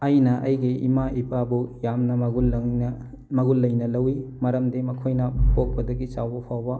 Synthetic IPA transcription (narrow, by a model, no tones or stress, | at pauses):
ɐjnɐʔɐjɡiʔimaipabujamnɐɐɡul | mɐɡulːɐjnɐlɐwimɐɾɐmdimɐkʰojnɐpok̚pɐdɐɡit͡ʃawbɐpʰawbɐ